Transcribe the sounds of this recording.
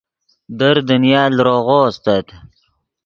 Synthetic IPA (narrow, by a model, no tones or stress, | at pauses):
d̪əɾd̪ənjɑːlɾoɣoːst̪at̪